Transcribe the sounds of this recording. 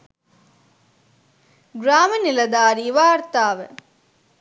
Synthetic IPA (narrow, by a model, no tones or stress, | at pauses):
ɡɾaːmɐnilɐd̪aːɾiʋaːɾt̪aːʋə